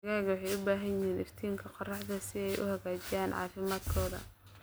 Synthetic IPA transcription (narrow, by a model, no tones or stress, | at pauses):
ɐɣaːɣwɑħɑjʊbaːɦɐnjɪhiːnʔɪft̪ʰiːŋkʰɐqɔrɑħd̪ɐsɪɛjʔʊ̰hɐɣaːt͡ʃɪjaːnʕɑ̰ːfɪmaːd̪kʰɔːðɐ̰